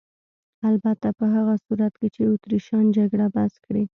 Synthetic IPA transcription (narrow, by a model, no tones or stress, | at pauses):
albat̪apəɦaɣasuɾat̪ket͡ʃeʊt̪ɾiʃɑnd͡ʒaɡɽabaskɽi